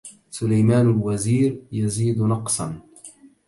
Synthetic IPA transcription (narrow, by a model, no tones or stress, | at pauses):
sʊlajmaːnalwaziːɾjaziːd̪nɑqsˤɑ̰n